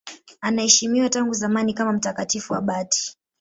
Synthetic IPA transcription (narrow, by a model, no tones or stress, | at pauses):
anahɛʃimiwataŋɡuzamanikamam̩takatifuwa̰ɓati̥